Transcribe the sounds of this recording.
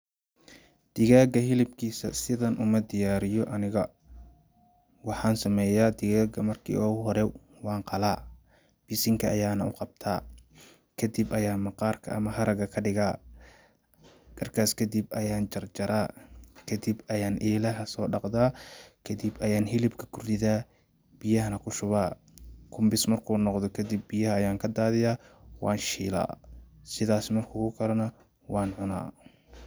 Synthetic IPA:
d̪̥ɪɣaːɡɐɦɪlɪbkʰiːsɐ̰sɪðɐnʔʊ̰mɐd̪ɪjaːɾɪjɔʔɐnɪɣɐ | wɑħɑːnsɐmɛːjaːd̪ɪɣaːɡɐmɐrkʰḭːʔɔːɣʊɦɔɾɛ | wɑːɴqɑlaː | b̥ɪsɪŋkʰɐːjaːnɐʊqɑb̚t̪ʰaː | kʰɐd̪ɪbʔɐjaːmɑqɑːrkʰɐ̰ʔɐmɐɦɐɾɐɣɐkʰɐɖɪɣaː | ɡɐrkʰaːskʰɐd̪ɪbɐjaːnt͡ʃɐrt͡ʃɐɾaːkʰɐd̪ibɐjaːnʔɛːlɐɦɐsɔːɖɑqd̪aːkʰɐd̪ibɐjaːnɦɪlɪbkʰɐ̥kʰʊrd̪ɪðaː | b̥ɪjɐɦɐnɐkʰʊʃʊβaː | kʰʊmbɪsmɐrkʰuːnɔqd̪ɔkʰɐd̪ɪbːɪjɐɦɐːjaːŋkʰɐd̪aːðɪjaːwɑ̰ːnʃḭːla̰ːsɪðaːsmɐrkʰʊːkʊkʰɐlɐnɐ | wʔɑːnʕʊna̰ː

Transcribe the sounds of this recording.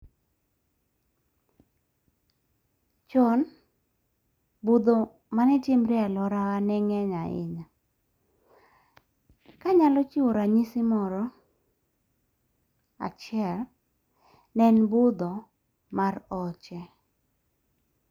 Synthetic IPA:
t͡ʃɔn | bud̪o | manɛtɪmɾɛalɔɾawanɛŋɛɲaɪ̰ɲa | kaɲalɔt͡ʃioɾaɲisɪmɔɾɔ | a̰t͡ʃɪɛl | nɛnbʊd̪ɔ | marɔt͡ʃɛ

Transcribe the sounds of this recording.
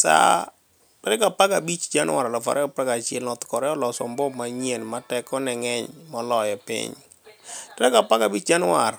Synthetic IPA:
sa̰ | tɛɾɛkapakabit͡ʃd͡ʒanwaɾalɔfa̰ɾʔɛpaɡat͡ʃɪɛlnɔt̪kɔɾɛɔlɔsɔmbɔmaɲenmatɛkɔnɛŋɛɲmɔlɔjɛpḭɲ | tɛɾɛkapakabit͡ʃd͡ʒanwar

